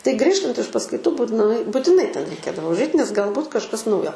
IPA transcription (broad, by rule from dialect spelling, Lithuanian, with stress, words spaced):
tɐɪ ˈɡrʲiːʃtɐnt ɪʃ pɐskɐɪˈtuː buːt nʊˈɐɪ bʊtʲɪˈnɐɪ ˈtʲɛn rʲɛɪˈkʲeːdɐʋoː ʊʒˈɐɪt nʲɛs ɡɐlˠˈbuːt kɐʃˈkɐs ˈnɐʊjoː